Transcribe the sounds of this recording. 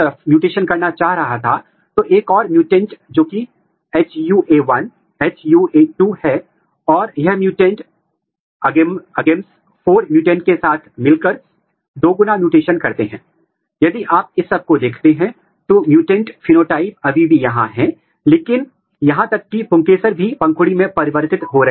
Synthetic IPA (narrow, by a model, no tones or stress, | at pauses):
ɐɾəfmjuːʈeːʃənkɐɾnat͡ʃaːɦɾɐɦat̪ʰa | t̪oːʔeːkɔːɾmjuːʈɛ̃ːɳʈd͡ʒoːki | ɛːt͡ʃjuːʔeːʋɐn | ɛːt͡ʃjuːeːʈuhɛ | ɔːɾjɐɦmjuːʈẽːɳʈ | ɐɡeɐɡẽːns | fʰoːɾmjuːʈẽːɳʈ̚kesaːt̪ʰmɪlkəɾ | d̪oːɡʊnamjuːʈeːʃənkɐɾt̪eɦɛ̰̃ː | jɐd̪iʔaːp̚ɪsːɐb̚kod̪eːkʰt̪eɦɛ̃ | t̪oːmjuːʈẽːɳʈfinoːʈaːɪp̚ɐbʱibʱijɐɦãɦɛ̃ | leːkɪn | jɐɦãt̪ɐkːipʊ̃ŋkeːsəɾbʱipɐ̃ŋkʰʊɽimẽpɐɾɪʋəɾt̪ɪt̪ɦoɾɐɦ